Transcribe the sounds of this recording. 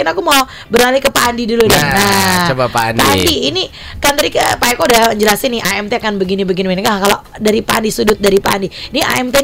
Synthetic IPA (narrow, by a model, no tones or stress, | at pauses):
ɪnakumaw | bəɾalikəpandidulunanat͡ʃobapanpandiːni | kant̪aɾdikəpaɛkodaəɲd͡ʒəlasɪnɪʔaɛmt̪eakanbəɡinibəɡinimɛnkakalo | daɾipa̰ndisudʊt̪̚daɾipa̰ndiiniʔa̰ɛmt̪e